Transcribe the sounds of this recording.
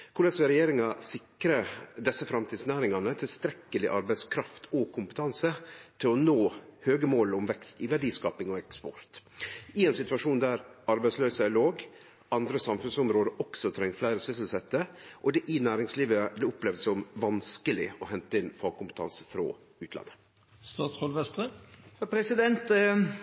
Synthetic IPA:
kʰʊɭɛsʋɛɾɛjeːɾɪŋɑsɪkɾəd̪ɛsːəfɾɑmt̪ʰiːd̪snæːɾɪŋɑnət̪ʰɪlst̪ɾɛkːəlɪʔɑɾbæɪt̪skʰɾɑft̪ʰɔkʰʊmpə̥t̪ʰɑnsət̪ʰɪlɔnoːhøːɡəmoːlɔmʋɛkst̪ɪʋæɖiːskɑːpɪŋɔɛkspɔɾt̪ɪɛnsɪt̪ʉɑʂuːnd̪æɾɑɾbæɪtsløːsəæloːɡ | ɑnd̪ɾəsɑmfʉnsɔmɾoːd̪əɾʔɔksɔt̪ʰɾɛŋːflæɪɾəsʏsəlsɛt̪ːəʔɔd̪ɛʔɪnæːɾɪŋsliːʋəblɛʊplɛːʋd̪sɔɔmʋɑnskəlɪɔɦɛnt̪əɪnfɑːɡ̚kʊmpə̥t̪ʰɑ̰nsəfɾo̰ː | ʉːt̪lɑ̰nːə | st̪ɑːt̪shɔlʋɛst̪ʁəhæpʰɾɛsɪd̪ɛnt̪

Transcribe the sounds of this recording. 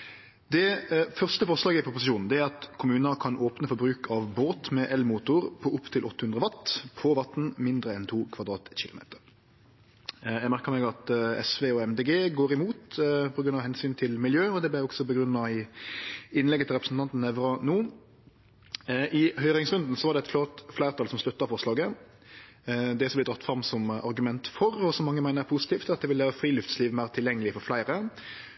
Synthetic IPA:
d̪ɛfœʁst̪əfɔʁʂlɑːɡəɪpʰʊpʊsɪʃuːnn̩d̪ɛæɾɑt̪kʰʊmʉːnɑkʰɑnoːpnəfɔɾbɾʉːkʰɑʋboːt̪mɛʔɛlmuːt̪ʊɾpʰɔʊpːt̪ʰɪlʔɔt̪ːəhʉnd̪ʁəʋɑt̪ːpʰɔʋɑt̪n̩mɪnd̪ɾəɛnt̪ʰuːkʰʋɑd̪ɾɑːt̪çɪlʊmḛːt̪əʁ | jæɡmæʁkəʁmɛːɡɑt̪ɛsʋeːɔɛmd̪eːɡeːɡoːɾɪmuːt̪pʰɔɡɾʉnɑʋhɛnsyːnt̪ʰɪlmɪljøːɔd̪ɛblæɔksɔbəɡɾʉnːɑɪ | ɪnːlɛɡət̪ʰɪlɾɛpɾəsn̩t̪ʰɑnt̪n̩ɛʋɾɑnuː | ʔɪhœʏɾɪŋsʁʉnd̪n̩sɔʋɑɾd̪ɛɛt̪flot̪flæɪʁt̪ʰɑːlsɔmslʉt̪ːɑfɔʁʂlɑːɡə | d̪ɛsɔblɪd̪ɾɑt̪ːfɾɑmsɔmɑ̰ɾɡʉmɛnt̪fɔɾɔsɔmːɑŋːəmæɪnəpʰusɪ̥t̪ʰiːft̪ɑt̪̚d̪ɛʋɪlʋæːɾəfɾiːlʉft̪sliːʋmæɪʁt̪ʰɪljɛŋːəlɪfɔɾflæɪɾə

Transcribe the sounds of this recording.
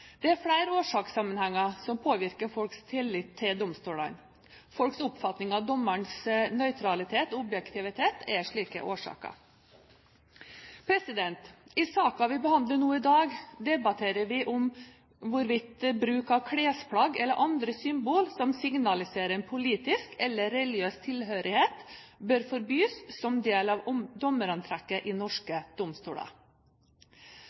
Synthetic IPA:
d̪̥ɛæɾfɽæɪɾoːʂɑːksɑmənhɛŋːəsɔmpʰoːʋɪɾkəɾfɔlkst̪ʰɪlːɪt̪ʰːɪld̪ʊmst̪uːlə̰n | fɔlksʊpfɑt̪nɪŋɑʋd̪ɔmːəɳsnœʏt̪ʰɾɑlɪt̪ʰeːt̪ːɔbjɛkt̪ʰɪʋɪt̪ʰeːt̪ʰɛʂɭiːkə̰ʔoːʂɑ̰ːkə̰ | pʰɾɛsɪd̪ɛnt̪ɪsɑːkɑʋɪbəhɑnd̪ləɳuːɪd̪ɑːɡd̪ɛbɑt̪ʰeːɾəʋɪʔʊm | ʋʊɾʋɪt̪bɾʉːkɑkʰɽeːspʰlɑɡɛlːəɾʔɑnd̪ɾəsʏmbuːlsɔmsɪŋnɑlɪseːɾəɛnpʰʊliːt̪ɪskɛlːəɾːɛljøːst̪ʰɪlɦøːɾɪheːt̪bœɾfɔɾbyːsːɔmd̪eːlɑʋɔmd̪ɔməɾɑnt̪ʰɾɛkːəʔɪnɔʂkəd̪̥ʊmst̪ṵːɽə̰

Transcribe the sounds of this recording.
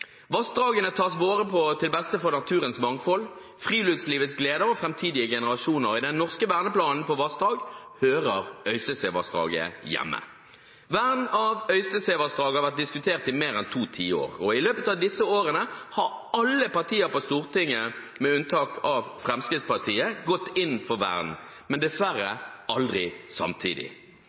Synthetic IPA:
ʋɑsd̪ʁɑːɡənət̪ʰɑːsʋoːʁəpʰɔt̪ʰɪlbɛst̪əfɔʁnɑt̪ʰʉːɾənsmɑŋfɔl | fʁiːlʉːd̪sliːʋət̪sɡleːd̪əɾɔfʁɛmt̪ʰiːd̪ɪəɡɛnəʁɑʃuːnəʁɪd̪ɛnːɔʁskəʋæːʁnəplɑːnn̩pʰɔʋɑsd̪ɑːɡhøːʁəʁœʏst̪əseːʋɑ̰sd̪ʁɑ̰ːɡə̰jɛ̰mːə̰ | ʋæʁnɑʋœʏst̪əseːʋɑsd̪ʁɑːɡəhɑʋæʁt̪̚d̪ɪskʉt̪ʰeːʁt̪ɪmeːʁɛnt̪ʰuːt̪ʰiːo̰ːʁɔɪløːpət̪ɑʋd̪ɪsəoːʁənəhɑʁɑlːəpɑʁt̪ʰiːəɾpɔst̪uːʁt̪ɪŋːə | mɛʉnt̪ʰɑːkʰɑʋfʁɛmskʁɪt̪spɑʁt̪ʰiːəɡɔt̪ːɪn̩fɔʁʋæ̰ːʁn̩ | mɛnd̪ɛsʋæʁːəɑld̪ʁɪsɑ̰mt̪ʰḭːd̪ɪ̰

